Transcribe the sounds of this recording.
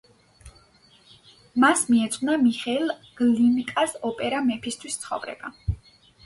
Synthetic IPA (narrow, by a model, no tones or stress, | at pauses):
masmiɛt̪sʼnamiχɛlˠɡ̥linkʼasɔpʼɛɾamɛpʰist̪ʰwist̪sʰχɔ̰vɾɛ̰ba